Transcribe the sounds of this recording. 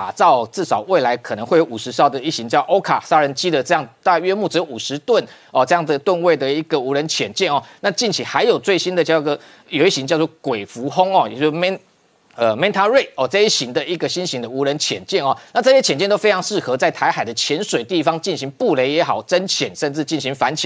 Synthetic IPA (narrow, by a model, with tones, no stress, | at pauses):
a˨˩t͡sɑ˥˧ʊ˩t͡sɹɻ̩˥˩sɑ˨˩ʊwe˥˩ɪla˧˥ɪkʰɤ˨˩nə˧˦ŋwe˥˩jo˧˥ʊu˨˩ʂɻ̩˧˥sʊd̪ə˨i˥˩ɕi˧˦ŋt͡ɕjɑ˥˧˩ʊʔo˥ʊkʰa˨˩sa˥ɻə˧˦nt͡ɕi˥˩d̪ə˨t͡sɤ˥˧jɑ˥˧ŋt̪a˥˧ɥɛ˥mu˥˩t͡s̩˧˥jo˧u˨˩ʂɻ̩˧˦t̪wə˥˩n | ɔ˨t͡sɤ˥˧jɑ˥˩ŋd͡zə˩t̪wə˥˧nwe˥˩ɪd̪ə˩i˧˥ɡə˨˩u˧˥ɻə˧˦nt͡ɕʰjɛ˨˩nt͡ɕjɛ˥˩nɔ˨˩na˥˧t͡ɕi˥˩nt͡ɕʰi˨˩xa˧˥ɪjo˨˩ʊt͡swe˥˩ɪɕi˥nd̪ə˨t͡ɕjɑ˥˧ʊ˥ɡə˨˩ | jo˨˩ʊi˥˩ɕi˧˦ŋt͡ɕjɑ˥˧ʊt͡swɔ˥˨kwe˨˩ɪfu˧˥xo˥ŋɔ˥˨jjo˥˩˧mɛ˥n | ə˨˩mɛ˥nt̪ʰa˥ɻe˥˩ɪɔ˨t͡sə˥˧i˥˩ɕi˧˥ŋd̪ə˧˨i˧˥ɡə˨ɕi˥nɕi˧˥ŋd̪ə˧u˧˥ɻə˧˥nt͡ɕʰjɛ˨˩nt͡ɕjɛ˥˩nɔ˨˩na˥˧t͡sɤ˥˩ɕjɛ˥t͡ɕʰɛ˨˩nt͡ɕjɛ˥˩nt̪o˥fe˥ɪɑ˧˥ŋʂɻ̩˥˩xɤ˧˥t͡sa˥˩ɪt̪ʰa˧˥ɪxa˨˩ɪd̪ə˦t͡ɕʰjɛ˧˥nʂwe˨˩ɪt̪i˥˩fɑ˧˥ŋt͡ɕi˥˩nɕi˧˥ŋpu˥˨˩le˧˥ɪjɛ˧˥xɑ˨˩ʊʈ͡ʂə˦˥nt͡ɕʰjɛ˨˩nʂə˥˧nʈ͡ʂɻ̩˥˧t͡ɕi˥˩nɕi˧˥ŋfa˧˦nt͡ɕʰjɛ̰˨˦